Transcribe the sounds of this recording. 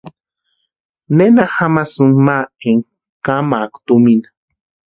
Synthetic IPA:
nenaxamasunmaeŋ | kamakt̪uminḁ

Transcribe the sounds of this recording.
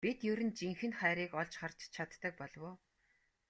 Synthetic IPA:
pit̪jɵɾɘ̆nt͡ɕiŋxɘ̆nχæːɾiːkɔɮt͡ɕχar̥t͡ɕt͡ɕʰat̪ːə̆k̚pɔɮwʊː

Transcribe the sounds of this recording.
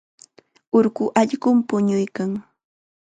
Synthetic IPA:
ʊɾɢʊʔaʎɢʊmpʊɲʊjkaŋ

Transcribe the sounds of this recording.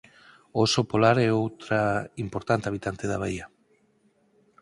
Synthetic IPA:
osopolaɾɛowt̪ɾaimpoɾt̪ant̪eaβit̪ant̪eðaβaja

